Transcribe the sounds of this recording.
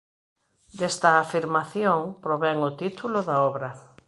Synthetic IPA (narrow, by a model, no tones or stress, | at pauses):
d̪est̪ɐːfiɾmaθjoŋpɾoβɛŋʊt̪it̪ulʊðɐɔβɾɐ